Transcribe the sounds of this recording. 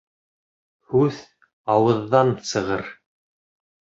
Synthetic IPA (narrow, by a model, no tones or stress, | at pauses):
hʉð | ɑwɤ̆ðːɑnsɤ̆ʁɤɾ